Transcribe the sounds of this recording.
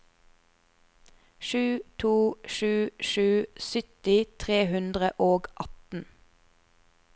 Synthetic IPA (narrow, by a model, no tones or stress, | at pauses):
ʃʉːt̪ʰuːʃʉːʃʉːsʏt̪ɪt̪ʰʁeːhʉnd̪ʁəʔoːɡʔɑt̪n̩